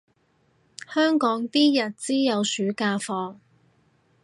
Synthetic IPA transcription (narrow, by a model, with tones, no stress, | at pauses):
hœː˥ŋkɔː˨˥ŋt̪iː˥jɐ˨t̚t͡siː˥jɐ˨˧wsyː˨˥kaː˧fɔː˧